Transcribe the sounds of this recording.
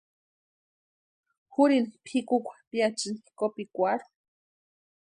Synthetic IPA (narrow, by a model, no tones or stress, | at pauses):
xuɾinipʰikukʷʰḁpiat͡ʃinikopikʷaɾu̥